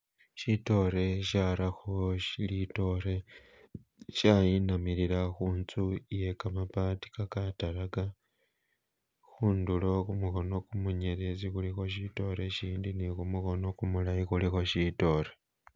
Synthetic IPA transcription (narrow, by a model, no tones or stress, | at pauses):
ʃito̞ɾe̞ʃaɾaxoʃilito̞ɾe̞ | ʃajinamiɾiɾaxuːnt͡suije̞kamapaːti̥kakataɾaɡa | xuːndulo̞kumuxo̞no̞kumuɲeɾezixulixo̞ʃito̞ɾe̞ʃiːndinikumuxo̞no̞kumulajixulixo̞ʃito̞ɾe